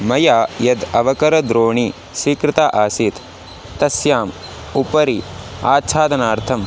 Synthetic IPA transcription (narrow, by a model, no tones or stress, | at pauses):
mɐjaːjɐd̪ɐʋɐkɐɾɐd̪ɾoːɳi | sʋiːkɾɪt̪aːʔaːsit̪ː | ɐsjaːm | upɐɾia̰ːt̪t͡ʃʰaːd̪ɐnaːɾt̪ʰɐm